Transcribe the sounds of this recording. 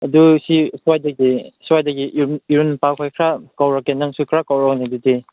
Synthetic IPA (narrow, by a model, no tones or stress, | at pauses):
ɐdusiswajdaɡiswajdaɡiʔiɾunpakʰajkʰɾakawɾakːenaŋsukʰɾakawɾɔknidute